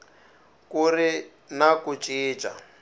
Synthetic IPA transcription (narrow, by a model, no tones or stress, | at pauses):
kuɾi | nakut͡ʃʼiːt͡ʃʼa̰